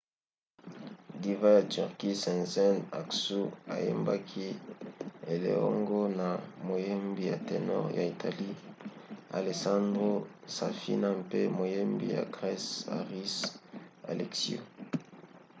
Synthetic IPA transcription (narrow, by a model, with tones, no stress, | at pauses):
di˨va˦ty˨ʁki˦sɛ̃˨nzɛ˦na˨ksu˦a̰˨je˦mba˦kʰi˦ | e˨lḛ˨ɔ˦ŋɡo˦na˨mo˨je˦mbi˨ja˨te˨nɔ˦ʁja˨i˨tʰa˨li˦ | a˨le˨sã˦ndʁo˦sa˨fḭ˦na˦mpe˦mo˨je˦mbḭ˨ja̰˨ɡʁɛ˦sa̰˨ʁi˦sa̰˨lɛ˨ksio˨